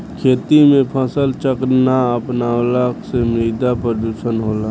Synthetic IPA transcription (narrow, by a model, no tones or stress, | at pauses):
kʰeːt̪imẽpʰəsəlt͡ʃəknaəpnaːwləksemɾiːd̪apɾəd̪uːʃənɦoːlaː